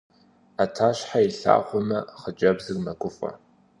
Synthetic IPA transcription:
atʰaːɕħaiɬa̰ːχʷɔmɐχəd͡ʒʼɐbzɨrmɐkʷʼʊfʼɐ̰

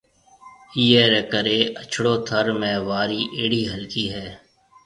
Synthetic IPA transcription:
iːeːɾɛkəɾeːʔət͡ʃʰɽoːt̪ʰəɾmẽːʋaːɾiːʔeːɽiːɦəlkiːɦɛː

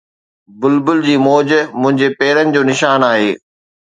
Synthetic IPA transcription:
bʊlbʊld͡ʑiːmɔːd͡ʑmʊ̃ɦɪ̃ɲd͡ʑepɛːɾənɪ̆d͡ʑoːnɪʃaːnaːɦeː

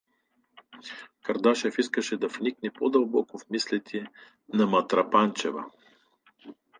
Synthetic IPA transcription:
kɐɾd̪aʃɛfiskəʃɛd̪ɐfniknɛpod̪ɐlˠbɔkofmislɛt̪ʲʰiɛ | nɐmɐt̪ɾɐpant͡ʃɛvɐ̰

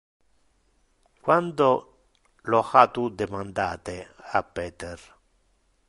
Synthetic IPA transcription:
kwand̪o | loxat̪ud̪emand̪aːt̪eapːɛːt̪er

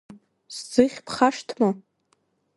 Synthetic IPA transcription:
sd͡zɨχʲpʰχaʂtʰma

